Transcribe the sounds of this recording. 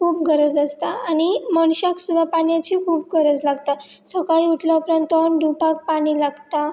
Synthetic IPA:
kʰuːpɡʱəɾəd͡zəst̪aaɽ̃iməɳɕaksud̪ʱːapaɳjat͡ɕiːkʰuːp̚ɡʱəɾəd͡zlaɡt̪a | səkaiuʈʰləpɾãnt̪onɖʱupak̚paɽ̃ilaɡt̪a

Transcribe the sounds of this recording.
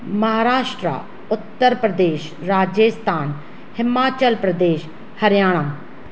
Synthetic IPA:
məɦaːɾaːʃʈɾa̰ː | ʊt̪ːəɾpɾəd̪eːʃ | ɾaːd͡ʒeːst̪ʰaːn | hɪmaːt͡ʃəlpɾəd̪eːʃ | həɾjaːɽ̃aː

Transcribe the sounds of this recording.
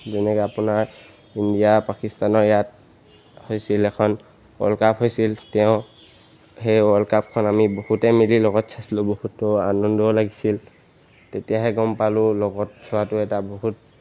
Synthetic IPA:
zɛnɛkɔapʊnaɹ | indijapakistanɔɹjat̚ | hojsilɛkʰɔn | ɔ̰lkapɦojsiltɛʊ̃ | ɦejɔlkap̚kʰɔnamibohutɛmililɔɡɔtsʰaslobohutːɔanɔndɔlaɡisil | tetijaɦɛɡɔmpalʊlɔɡɔt̚sʰɔatʊɛtaboɦut̚

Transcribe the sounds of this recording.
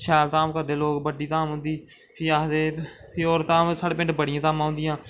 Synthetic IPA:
ʃʰɛːlt̪aːmkəɾd̪eːloːkbəɖiːt̪aːmɦʊ̃nd̪iː | pʰiaːd̪eːpʰioːɾt̪aːmsaːɽeːpɪ̃ɳʈbəɽɪjãːt̪aːmãːɦʊ̃nd̪ɪjãː

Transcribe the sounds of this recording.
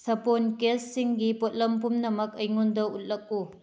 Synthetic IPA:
sɐponkesːiŋɡipot̚lɐmpumnɐmɐkɐjŋondɐut̚lɐk̚u

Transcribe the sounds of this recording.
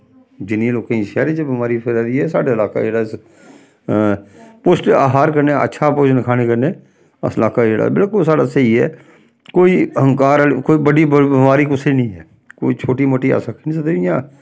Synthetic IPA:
d͡ʒɪnːĩːloːkːĩːʃɛːɾid͡ʒəbɪmaːɾipʰɪɾaːɾiːɛːsa̰ːɖeɪlaːka̰ːd͡ʒeːɽaːɪs | poːsʈaːɦaːɾkəɾneːə̰tːʃʰaːpʊt͡ʃnɪkʰaːneːkəɾneː | ə̰səlaːkaːd͡ʒeːɽa̰ːbɪlkʊlsaːɽaːsəiːɦɛ̰ː | koːiːɦə̃ŋkaːɾkoːiːbəɽiːbbɪmaːɾiːkʊsiːnĩːɦɛː | ko̰ːiːt͡ʃʰoːʈiːmʊʈːiːa̰ːsəkːnĩsət̪eɪjãː

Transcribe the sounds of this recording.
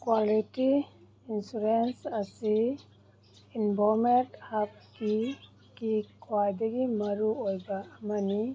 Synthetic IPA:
kwalitiː | nsuɾensɐsi | inbʱɔɾmenthap̚ki | kikʰwajdɐɡimɐɾuojbaːmɐni

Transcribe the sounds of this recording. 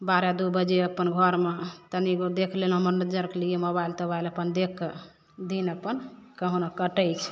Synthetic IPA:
baɾad̪ubəd͡ʒeəpːənɡʱɔɾmet̪əniɡod̪ekʰlelɦəməɾnəd͡ʒəɾkeliemobailt̪əbajləpənd̪ekʰːe | d̪inəpːənkəɦonakəʈəjt͡ʃʰ

